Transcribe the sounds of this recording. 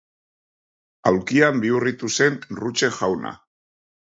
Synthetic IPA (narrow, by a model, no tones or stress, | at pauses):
awkiambiurit̪use̞nrut͡ʃe̞ʝawna̰